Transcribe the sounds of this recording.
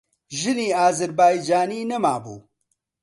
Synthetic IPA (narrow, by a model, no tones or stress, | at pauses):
ʒɪniːaːzɐɾbaːjd͡ʒaːniːnɐma̰ːbṵː